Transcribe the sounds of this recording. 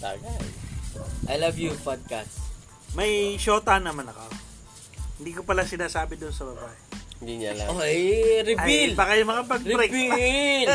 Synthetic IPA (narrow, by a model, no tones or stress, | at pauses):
t̪a̰ɡaj | ʔajlavjupad̪̚ka | mɐjʃoːt̪anːɐmanɐko | hɪnd̪iːkopɐlasɪnaːsaːbɪd̪onsɐbɐbaːʔɛɪnd̪iɲa̰laoɾɪɐilbaːkɐjʊŋmɐkɐpɐɡ̚pɾɛk